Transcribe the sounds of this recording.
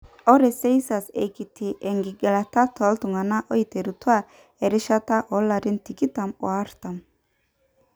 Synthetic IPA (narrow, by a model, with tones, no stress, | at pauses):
ɔ˦ɾɛ˨sɛ˦jsa˨sḛ˨jki˨t̪ʰi˨ʔɛ˨ŋɡi˨ɡɛ˨la˨t̪a˦t̪ʰɔ˨˦lt̪u˨ŋa˨na˦ʔɔ˦jt̪e˨ɾu˨t̪u˦a˦˨ | ɛ˨ɾɪ˦ʃa˦t̪a˦ʔɔ˨˦la˨ɾi˦nt̪i˨ki˦t̪a˨mɔ̰˨a˦ɾt̪a˨m